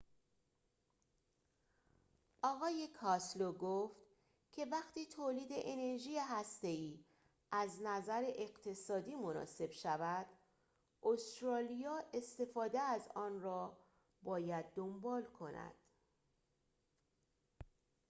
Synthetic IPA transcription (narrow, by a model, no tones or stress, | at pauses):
ʔɒːɣɒːje̞kʰɒsloɡoːft̪ | cʰe̞væxt̪iːt̪ʰoːliːd̪e̞ʔene̞ɾʒiːjeɦæst̪e̞iː | ʔæznæzæɾeʔeɣt̪ʰe̞sɒːd̪iːmo̞nɒ̰ːse̞b̥ʃævæd̪̥ | ost̪ɾɒːlijɒːʔe̞st̪e̞fɒːd̪eæzɒːnrɒː | bɒːjæd̪̚ːo̞mbɒːlkʰo̞næ̰d̪̥